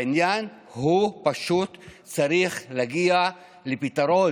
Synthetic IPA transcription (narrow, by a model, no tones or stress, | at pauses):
injan | hupaʃut̪ | t͡saɾiχlaɡia | lepit̪aɾo